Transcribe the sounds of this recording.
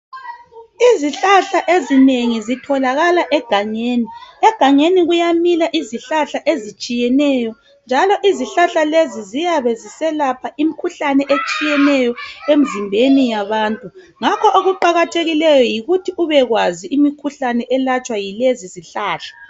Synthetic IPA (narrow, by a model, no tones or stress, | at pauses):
iziɬaɬaʔezineŋizitʰɔlaɣalaʔɛɡ̥ʱaŋeːniɛɡ̥ʱaŋeniɣujamilaʔiziɬaɬaʔezit͡ʃʼijɛnɛjɔ | nd͡ʒʱalɔʔiziɬaɬalezizijaβezisɛlapʰaʔimikʰuɬanɛʔet͡ʃʼijɛnɛjɔem̩zimbʱenijaβaːntʼu | ŋakʰɔʔoɣuǃaɣatʰeɣilɛjɔjiɣutʰiuβɛɣwaziʔimikʰuɬanɛʔɛlat͡ʃʼwajileziziɬaːɬḁ